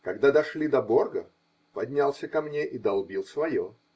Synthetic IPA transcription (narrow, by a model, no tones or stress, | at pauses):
kɐɡd̪ad̪ɐʂlʲid̪ɐbo̞rɡə̰ | pɐd̪ʲnʲalˠsʲəkɐmnʲeʔid̪ɐlˠbʲilˠsvɐjo